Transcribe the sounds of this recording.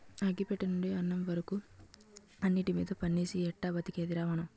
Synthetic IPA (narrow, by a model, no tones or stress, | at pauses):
ɐɡipɛʈːɐnuɳɖiɐnːɐmʋɐɾɐku | ɐnːiʈimiːd̪ɐpɐnːiːsiɛʈːɐbɐt̪ːikeːd̪iɾaːʋɐnɐm